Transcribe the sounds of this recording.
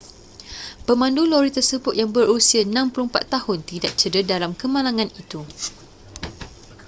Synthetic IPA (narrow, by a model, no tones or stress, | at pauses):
pəmãnduloɾit̪ərsəbʊt̪̚jaŋbərusianãmpulumpa̰t̪ːahʊnt̪idaʔ̚t͡ʃədədalamkəmãlaŋãnit̪u